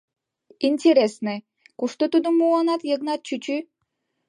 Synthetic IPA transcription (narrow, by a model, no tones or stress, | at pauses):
inʲtʲeɾʲesnɨ | kuʂt̪ot̪ud̪umuɑnɑt̪jeɡnɑt̪̚t͡ɕyt͡ɕy